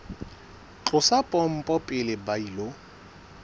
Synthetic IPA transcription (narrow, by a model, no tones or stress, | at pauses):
t͡ɬʼʊsapʼɔm̩pʼɔpʼɪlɪbailo